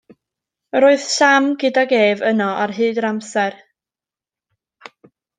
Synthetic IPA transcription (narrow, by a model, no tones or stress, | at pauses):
roːɨð̥ʃamɡɪdaɡeːvənɔarɦɨːdɾamsɛr